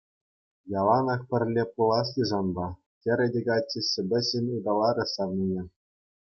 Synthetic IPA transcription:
jɑlˠɑnɤ̆χpʲɘ̆rʲlʲepulˠɑslʲiʐɑnbɑ | tʲɘ̆ɾʲɘ̆dʲeɡɑt͡ɕʲːisʲɘ̆bʲɘ̆ɕʲenʲɯd̪ɑlˠɑɾʲɘ̆sɑʋnʲinʲe

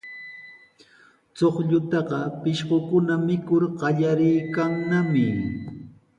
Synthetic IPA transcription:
t͡soχʎʊt̪ɑɢɑpɪʃɢokʊnamɪkʊɾɢɑʎaɾɪjkaŋnamɪ

